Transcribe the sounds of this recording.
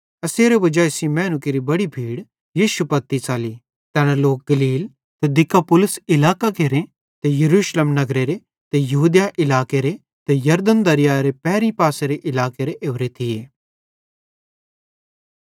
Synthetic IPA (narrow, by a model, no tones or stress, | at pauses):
ɐseːɾebɐd͡ʒaːesimɛ̃ːnʊkiɾibɐɽibʱiːɽ | jiːʃupɐt̪ːit͡ʃaːli | t̪ɛːnaloːk̚ɡɐliːl | t̪ed̪ɪkːapʊlʊsɪlaːkakeːɾẽ | t̪ejɐɾuːʃlemnɐɡɾeɾe | t̪ejɐɦuːd̪jaʔɪlaːkeɾe | t̪ejɐɾd̪ənd̪ɐɾɪjaɾepɛːɾĩpaːseɾeʔɪlaːkeɾeʔeːʋɾet̪ʰɪjeː